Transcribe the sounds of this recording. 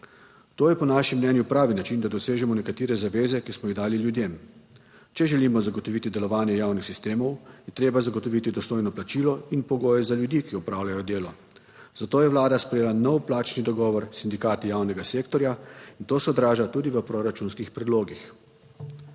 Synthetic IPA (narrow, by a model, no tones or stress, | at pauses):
t̪oːjɛpɔnaʃimːnɛnjupɾaːʋinat͡ʃind̪ad̪ɔseːʒɛmɔnɛkat̪iːɾɛzaʋeːzɛkismɔjiɣd̪aːliljud̪jem | t͡ʃɛʒɛliːmɔzaɡɔt̪ɔʋit̪id̪ɛlɔʋaːnjɛjaːwnixsist̪eːmɔwjɛt̪ɾeːbazaɡɔt̪ɔʋit̪id̪ɔst̪oːjnɔplat͡ʃiːlɔinpɔɡoːjɛzaljud̪iːkiɔpɾaːwlʲajɔd̪eːlɔ | zat̪oːjɛʋlaːd̪aspɾɛjeːlanɔwplaːt͡ʃnid̪ɔɡɔːʋɔɾsind̪ikaːt̪ijawnɛɡaseːkt̪ɔɾjaint̪oːsɛɔd̪ɾaːʒat̪uːd̪iʋəpɾoɾat͡ʃunskixpɾɛd̪loːɡix